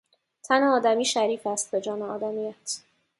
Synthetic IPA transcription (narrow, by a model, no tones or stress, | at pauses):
t̪ʰæneɒːd̪æmiːʃæɾiːfæst̪̚be̞d͡ʒɒːneɒːd̪æmijæt̪ʰ